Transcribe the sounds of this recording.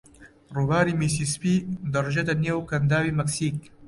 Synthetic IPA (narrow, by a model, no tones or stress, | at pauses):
ruːbaːɾiːmiːs̬ispiːd̪ɐrʒet̪ɐneːwkɐnd̪aːwiːmɐksiːk̚